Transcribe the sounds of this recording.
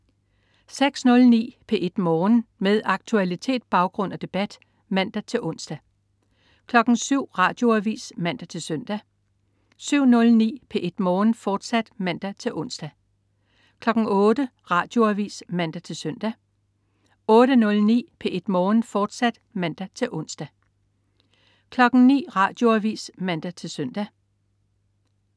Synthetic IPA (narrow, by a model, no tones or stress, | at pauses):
seɡ̥snɔ̽lnḭːpʰeʔe̝d̥mɒːnmeðˠɑ̈ɡ̥̚t͡sʰuælit͡sʰe̝̰ːd̥̚b̥ɑ̈ʊɡ̥ʁɔ̽n̰æd̥e̝b̥æd̥ | mæn̰d̥æt͡sʰe̝lʔɔ̽n̰sd̥æ | kʰlɒ̽ɡ̥n̩syʊ̰ʁɑ̈ːd̥jo̝æʋḭːsmæn̰d̥æt͡sʰe̝lsœn̰d̥æ | syʊ̰nɔ̽lnḭːpʰeʔe̝d̥mɒːnfɒːd̥sæd̥mæn̰d̥æt͡sʰe̝lʔɔ̽n̰sd̥æ | kʰlɒ̽ɡ̥ŋ̩ɔ̽ːd̥ə | ʁɑ̈d̥joæʋḭːsmæn̰d̥æt͡sʰe̝lsœn̰d̥æ | ɔ̽ːɾ̥ənɔ̽lnḭːpʰeʔe̝d̥mɒːn̩fɒːd̥sæd̥mæn̰d̥æt͡sʰe̝ʔɔ̽n̰sd̥æ | kʰlɒ̽ɡ̥n̩nḭːʁɑ̰̈d̥jo̝æʋḭːsmæn̰d̥æt͡sʰe̝lsœn̰d̥æ